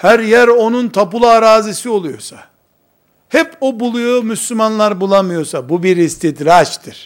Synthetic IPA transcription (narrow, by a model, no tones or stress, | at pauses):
hæɾjæɾo̞nunt̪ʰapulˠaːɾaːzisio̞lˠujo̰sa | hɛpʰo̞bulˠujomyslʲymanlˠaɾbulˠamɯjo̞sabubiɾist̪ʰid̪ɾat͡ʃt̪ʰiɾ̥